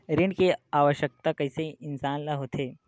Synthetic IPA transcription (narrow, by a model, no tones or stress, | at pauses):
ɾɪɳɖkeaːʋəʃjək̚t̪akɐiseʔɪnsaːnlɐɦoːt̪ʰeː